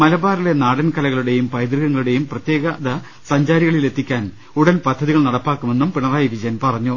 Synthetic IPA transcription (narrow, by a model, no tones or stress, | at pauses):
mɐlɐbaːɾile̞naːɽɐnkɐlɐɣɐɭuɽe̞jumpɐjd̪riɣɐŋːɐɭuɽe̞jumprɐt̪je̞ːɣɐðɐ | sɐɲd͡ʑaːɾiɣɐɭile̞t̪ːikʲːaːn | uɽɐnpɐd̪ʱːɐðiɣɐɭnɐɽɐpːaːkːume̞nːumpiɳɐraːjiʋid͡ʑɐjɐnpɐrɐɲːu